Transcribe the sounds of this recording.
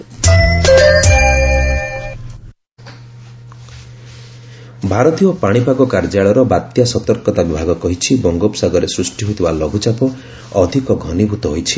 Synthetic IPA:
bʱaɾɔt̪iɔpaɽ̃ipakɔkaɾd͡ʒaɭɔɾɔbat̪jasɔt̪ɔɾkɔt̪abibʱaɡɔkɔɦit͡ʃʰibɔŋɡopsaɡɔɾesɾusʈiɦot̪ʰibalɔɡʱut͡ʃapɔ | ɔd̪ʱikɔɡʱɔnibʱut̪ɔɦojt͡ʃʰi

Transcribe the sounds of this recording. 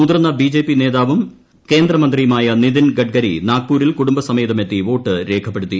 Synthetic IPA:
ud̪rnːɐbid͡ʑe̞ːpːine̞ːðaːʋum | ke̞ːnd̪rɐmɐnd̪rijumaːjɐniðinɡɐʈ̚ɡɐɾḭnaːk̚pːuːɾilkuɽumbɐsɐmeːðɐme̞t̪ːiʋo̞ːʈːɨɾe̞ːkʰɐpːe̞ɽut̪ːi

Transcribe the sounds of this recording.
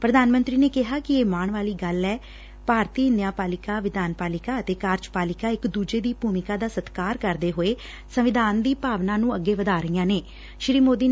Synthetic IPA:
pɾəd̪ʱaːnmənt̪ɾiːneːkɪɦaːkɪeːmaːɳʋaːliːɡəlɛː | paːɾt̪iːɪnd̪ɪjaːpaːlɪkaːʋɪd̪aːnpaːlɪkaːət̪eːkaːɾt͡ʃpaːlɪkaːɪkd̪uːd͡ʒeːd̪iːbʱuːmɪkaːd̪aːsət̪kaːɾkəɾd̪eːɦoːeː | səʋɪd̪aːnd̪iːpaːʋnãːnũːəɡːeːʋəd̪aːɾəijãːneː | ʃɾiːmoːd̪iː

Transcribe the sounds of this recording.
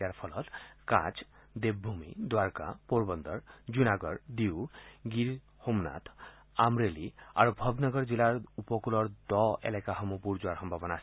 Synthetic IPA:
jaɾpʰɔlɔt̪kã̰t͡ʃ | d̪eb̚bʱumḭd̪waɾka̰poɾbɔnd̪ɔɹd͡ʒunaɡɔɾd̪iwɡiɾ | homna̰t̪ʰ | amɾelia̰ɾubʱɔbnɔɡɔɾd͡ʑilaɹupɔkulɔɹd̪ɔḛlekaɦɔmupuɾd͡ʒuaɾɦɔmbʱabɔnaːsi

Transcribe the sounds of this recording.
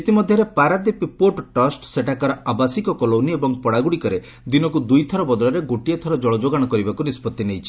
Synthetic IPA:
it̪imɔd̪ʱjɔɾepaɾad̪epipoʈʈɔsʈseʈakaɾɔabasikɔkɔlowniebɔŋpɔɽaɡuɽikɔɾe | d̪inɔkud̪ujt̪ʰɔɾɔbɔd̪ɔlɔɾeɡoʈijɔt̪ʰɔɾɔd͡ʒɔɭɔd͡ʒoɡaɽ̃ɔkɔɾibakunispɔt̪ːinejt͡ʃʰi̥

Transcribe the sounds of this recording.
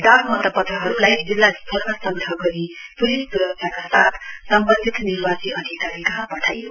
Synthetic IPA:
ɖ̪aɡmʌt̪ʌbʌt̪aɦʌɾulajd͡zilːaspʰoɾmasʌŋd̪ʱʌɡʌɾipuɾisd̪ʌssakasat̪ʰsʌmbʌnd̪ʱit̪niɾbasiʔʌd̪ʱikaɾikɦãpʌʈʰajo

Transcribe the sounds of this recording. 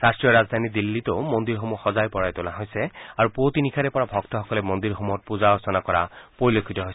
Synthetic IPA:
ɹastɹiɔɹazd̪ʱanid̪ilːitoʊmɔnd̪iɹɦomuxɔzajpɔɹajtolaɦojsɛaɹupotinikʰaɾɛpɔɹabʱɔktɔxɔkɔlɛmɔnd̪iɹxomuɔt̚puzaɔsɔnakɔɹa̰poɹilokʰːitɔɦojsɛ

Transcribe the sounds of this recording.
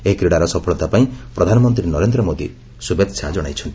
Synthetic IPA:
eɦikɾiɽaɾɔsɔpʰɔɭɔt̪apaĩpɾɔd̪ʱanɔmɔnt̪ɾinɔɾend̪ɾɔmod̪ḭ | subet̪sʰad͡ʒɔɽ̃a̰jt͡ʃʰɔnt̪i

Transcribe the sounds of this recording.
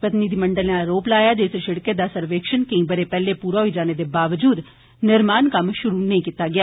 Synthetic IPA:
pət̪niːd̪iːməɳɖəlẽaːɾoːplaːjaːd͡ʒesʃɪɽkeːd̪aːsəɾʋeːkʃənkəĩːbəɾeːpɛːleːpuːɾaːɦoiːd͡ʒaːneːd̪eːbaːʋəd͡ʒuːd̪ | nɪɾmaːnkəmʃʊɾuːnəĩːkiːt̪aːɡɪjaː

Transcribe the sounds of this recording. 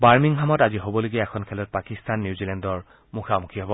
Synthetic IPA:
baɹmiŋɦamɔtaziɦobɔloɡiaɛkʰɔnkʰɛlɔt̚pakistanːjuzilɛndɔɹ | muxʰamukʰiɦɔbɔ

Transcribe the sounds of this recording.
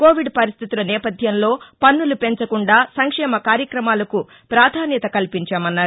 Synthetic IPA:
ko̞ːʋiɖpɐɾist̪it̪ulɐnɛːpɐd̪ʱjɐmlo̞ːpɐnːulupe̞ɲt͡ʃɐkuɳɖaːsɐŋkʂɛːmɐkaːɾjɐkɾɐmaːlɐku | pɾaːd̪ʱaːnjɐt̪ɐkɐlipiɲt͡ʃaːmɐnːaːɾ

